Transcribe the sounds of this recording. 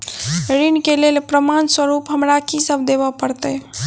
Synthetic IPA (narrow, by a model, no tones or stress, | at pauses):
ɾinkelelpɾəmanswəɾupɦəmɾakisəbʱd̪eβəpəɾt̪ə